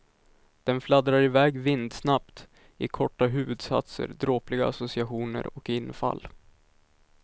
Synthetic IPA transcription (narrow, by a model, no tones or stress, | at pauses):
d̪̥ɛnflad̪ɾaɾɪvɛːɡvɪnd̪snapt̪ | ɪkʰɔʈːaɦʉ̟ːvɵd̪sa̰t̪sə̰ɾd̪ɾoːplɪɡaasʊsɪaɧuːnə̰ɾɔkɪnːfa̰lː